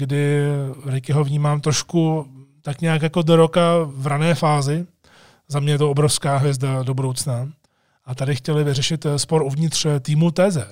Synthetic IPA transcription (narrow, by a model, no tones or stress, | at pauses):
ɡdɪɾɪkɪɦovɲiːmaːmt̪ɾoʃkut̪akɲaːkjako̞doɾo̞kavɾanɛːfaːzɪ | zamɲɛjɛt̪oobɾofskaːɦvjɛzdado̞budo̞wt͡sna | ʔat̪adɪxcɛlɪvɪrɛʃɪt̪spo̞ɾuvɲɪt̪r̥t̪iːmut̪ɛːzɛ